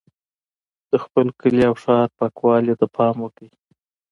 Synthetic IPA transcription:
d̪̥əxpəlkəliawʂɑt̪̚pɑkwɑljet̪apʰɑmwəkəi

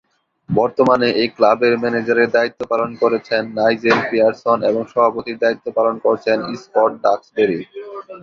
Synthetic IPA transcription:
bɔɾt̪omaneʔejklabeɾmɛned͡ʑaɾeɾd̪ait̪ːopalonkoɾet͡ɕʰenːajd͡ʑeɾpiaɾsoneboŋʃɔbʱapot̪iɾd̪ait̪ːopalonkoɾet͡ɕʰenispɔɾʈ̚ɖaksbeɾi

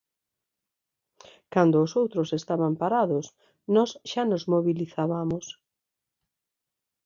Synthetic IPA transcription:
kand̪ʊːsowt̪ɾʊsest̪aβampaɾaðʊs | nɔsʃanozmoβiliθaβamʊs

